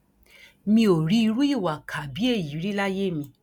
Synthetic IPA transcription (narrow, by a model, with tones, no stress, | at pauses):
mĩ˧o˨ɾi˨˦i˧ɾu˦i˦˨wa˨kʰa˨bi˨˦e˦˨ji˨˦ɾi˦la˦je˦˨mĩ˧